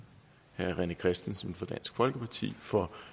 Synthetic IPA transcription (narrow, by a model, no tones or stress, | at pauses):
hæɐʁɛnəkʰʁɛsd̥n̩sən̩fɒ̽d̥æn̰sɡ̥fɒ̽lɡ̥əpʰɑ̈t͡sʰḭːfɒ̽